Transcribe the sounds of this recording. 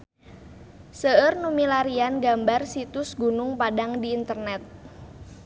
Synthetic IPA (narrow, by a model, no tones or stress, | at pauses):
səərnumilaɾianɡambarsit̪ʊsɡunʊŋpadaŋdiːnt̪ərnɛt̪̚